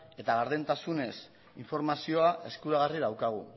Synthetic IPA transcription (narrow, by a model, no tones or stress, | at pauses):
e̞t̪aɣaɾðent̪asune̞s | iɱfo̞ɾmasio̞aʔe̞skuɾaɣ̞ariðawkaɣ̞ṵ